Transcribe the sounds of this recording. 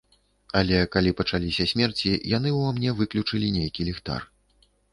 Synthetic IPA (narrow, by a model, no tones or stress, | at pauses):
ɐlʲɛkalʲipɐt͡ʂalʲisʲɐsʲmʲɛrt͡sʲijan̪ɨwvamnʲɛvɨklʲut͡ʂɨlʲinʲejkʲilʲɛxt̪a̰r